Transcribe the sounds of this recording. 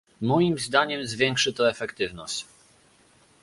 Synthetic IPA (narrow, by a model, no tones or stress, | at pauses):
mɔjimzd̪aɲɛmzvʲjɛŋkʂɘt̪ɔɛfɛkt̪ɘvnɔɕt͡ɕ